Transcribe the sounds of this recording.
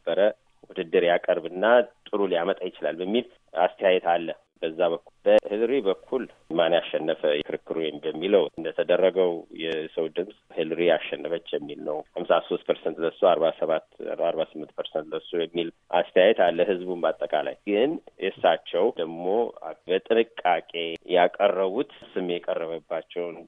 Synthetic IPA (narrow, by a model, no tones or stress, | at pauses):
nəbːəɾə | wud̪ɨd̪ːɨɾjakʼəɾbɨnːat̪ʼɨɾuljamət̪ʼajɪt͡ʃɪlalbəmːil | ast̪ʰəjajɛt̪alːə | bəzːaβəkʰːulb̥əhɨlɾibəkʰːulmanjaʃːɛnːəfəjɛkʰɨɾɨkːɨɾujɛmbəmːiləwɨnd̪ət̪ʰəd̪ərːəɡəwjɛsəwd̪ɨmsʼhɨlɾijaʃːɛnːəfət͡ʃːjɛmːilnəwhamsaso̞st̪̚pʰəɾsɛnt̪ləsuaɾβasəβat̪ːaɾbasɨmːɨnt̪̚pʰəɾsɛnt̪ləsojɛmːilʔa̰st̪ʰəjajɛt̪ʰalːəhɨzbunbat̪ʼːəkʼala̰jɡɨnʔesat͡ʃːɛwd̪əɡmo̞bət̪ʼɨnɨkʼːakʼe̞jakʼərːəβut̪sɨmeɛkʼərːəβəbːat͡ʃːɛwn